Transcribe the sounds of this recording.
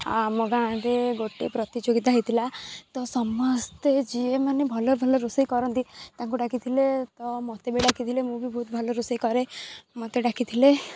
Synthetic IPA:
a̰moɡãɾeɡoʈepɾɔt̪id͡ʒoɡit̪aɦijt̪ʰilat̪ɔsɔmɔst̪ed͡ʒiemanebʱɔlɔbʱɔlɔɾusejkɔɾɔnt̪it̪aŋkuɖakʰit̪ʰilet̪ɔmɔt̪ebeɖakʰit̪ʰilemũbʱibʱɔɦut̪bʱɔlɔɾusejkɔɾemɔt̪eɖakʰit̪ʰile

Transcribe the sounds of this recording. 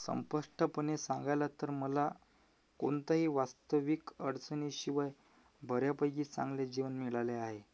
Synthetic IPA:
sə̰mpəʂʈəpənesãŋɡajlat̪əɾməla | koɳt̪aɦiːʋast̪əʋikəɽt͡səniɕiʋaj | bʱəɾjapəjɡiːt͡sã̰ŋɡled͡ʑiʋənmiɭajleaɦe

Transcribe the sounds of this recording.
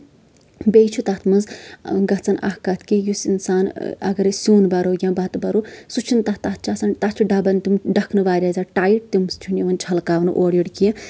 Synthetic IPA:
bejt͡ʃʰut̪ɐt̪ʰmɐnzɡɐt͡sɐnʔa̰hkɐt̪ʰkijusḭnsaːnɐ̰ɡɐɾisʲuːnbɐɾojʲãːbɐt̪bɐɾusut͡ʃʰint̪ɐt̪at̪̚ʰt͡ʃʰɐt͡sɐnt̪at͡ʃʰiɖɐbɐnʲt̪umɖɐkʰnɨʋaːɾʲaːzaʈaːjiʈ̚t̪imst͡ʃʰuniʋɐnt͡ʃʰɐlkaːʋnɨʔoːɽjiɽkie

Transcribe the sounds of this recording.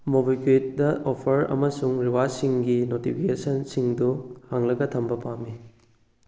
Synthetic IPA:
mobiket̚dɐʔopʰɐɾɐ̰mɐsuŋɾiwasiŋɡinotipʰikesɐnsiŋduhaŋlɐɡɐtʰɐmbɐpamːi

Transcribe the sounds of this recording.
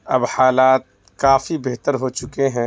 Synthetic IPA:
ɐbhaːlaːt̪̚ | kaːfibeɦt̪əɾɦot͡ʃʊkeɦɛ̃

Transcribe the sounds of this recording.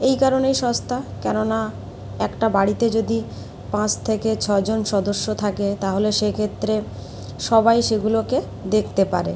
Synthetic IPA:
ejkaɾonejʃɔst̪ʰakɛnona | ɛkʈabaɽit̪ed͡ʑod̪i | pãt͡ɕt̪ʰeket͡ɕʰɔd͡ʑonʃɔd̪oʃːot̪ʰaket̪aɦoleʃekʰet̪ːɾe | ʃɔbajʃeɡuloke | d̪ekʰt̪epaɾḛ

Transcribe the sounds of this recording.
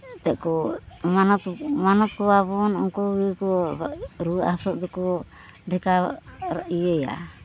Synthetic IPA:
t̪ɛʔkɔmanɔt̪manɔt̪̚kɔwabɔnɔŋkɔɡikɔ | ɾuasɔʔd̪ɔkɔ | ɖʱɛkaɾa̰ʔieja̰

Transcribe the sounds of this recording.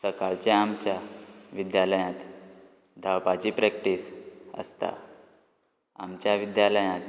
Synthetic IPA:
səkaɭt͡ɕeamt͡ɕjaʋid̪jaləjãt̪ | d̪ʱawpat͡ɕipɾɛk̚ʈisə̰st̪a̰ | amt͡ɕjaʋid̪jaləjãt̪

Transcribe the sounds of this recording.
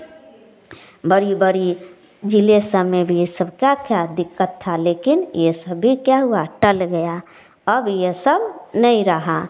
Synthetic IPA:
bəɾibəɾi | d͡ʒilesəmebʱijesəbʱkjakjad̪ɪkːət̪ʰːaleːkɪnjesəbːikjaɦuaʈəlɡəja | əbjesəbʱnəĩɾəɦa

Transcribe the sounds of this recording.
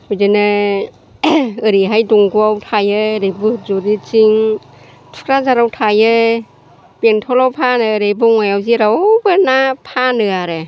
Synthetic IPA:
hojdɯnɯ | ɯɾiɦajduŋɡuawtʰajɯɾɯbuzuɾit͡ʃiŋ | tʰu̥kɾazaɾawtʰajɯ | beŋtʰɔlawpʰanɯːɾɯjbɔŋajawziɾawbɯnapʰanɯaɾɯ

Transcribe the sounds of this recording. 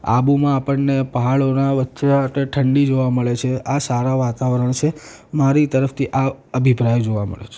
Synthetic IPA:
a̰bumãːpəɳnepəɦaɭonaʋətːʃet̪eʈʰəɳɖid͡ʒoʋaməɭet͡ʃʰeasaɾaʋat̪aʋəɾəɳt͡ʃʰe | maɾit̪əɾəft̪ʰiʔa | əbʱipɾajod͡ʒoʋamə̰ɭḛt͡ʃʰe̥

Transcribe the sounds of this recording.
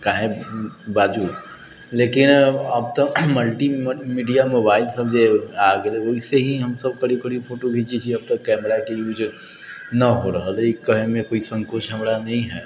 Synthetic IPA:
kaːɦẽbaːd͡ʒuː | leːkɪnɐb̚t̪əkməlʈimiːɖijamobaːɪlsɐbd͡ʒeaːɡeleoɪseɦiɦɐmsɐb̚kɐɽikəɽipʰoːʈobʱit͡ʃit͡ʃʰiɐb̚t̪ɐkːɛːmɾakejuːd͡ʒ | nɐɦoɾɐɦəleikɐɦemẽkoːisɐ̃ŋkot͡ʃɦɐmɾanɐɦĩɦɛː

